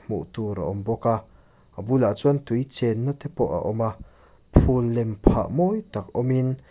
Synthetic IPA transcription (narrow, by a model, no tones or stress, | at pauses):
mṵʔt̪uɾa̰ʔɔmbɔka | abulaʔt͡sɔnt̪ujt͡sɛnːat̪ɛpɔʔa̰ʔɔma | pʰulːɛmpʰa̰ʔmɔjt̪akɔmin